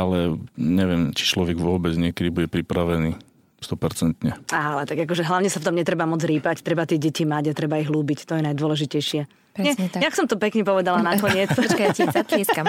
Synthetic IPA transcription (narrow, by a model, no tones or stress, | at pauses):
alɛɲɛʋɪɛmt͡ʃi̥t͡ʃlɔʋɛɡʋʊɔbɛd͡zɲɪɛkɛd̪ibuɟɛpɾipɾaʋɛniː | st̪ɔpɛɾt͡sɛnt̪ɲɛalɛt̪aɡak̬ɔʒɛɦlaʊɲɛsaft̪ɔmɲɛt̪ɾɛbamɔd͡zɾiːpact̪ɾɛbat̪ɪɛɟɛcimaɟat̪ɾɛbaiɦluːbict̪ɔjɛnajd̪ʊɔlɛʒicɛjʃɪɛ | ɾɲɛɲjaksɔmt̪ɔpɛkɲɛpɔʋɛd̪alanakɔɲɪɛt͡skat̪ɛska